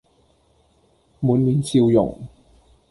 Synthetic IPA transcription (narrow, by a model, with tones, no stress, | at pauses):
mu˨˥nmi˨˥nsi˧wjʊ̰˨˩ŋ